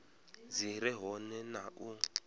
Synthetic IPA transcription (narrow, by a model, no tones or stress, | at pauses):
ziɾɛɦɔnɛnaʔu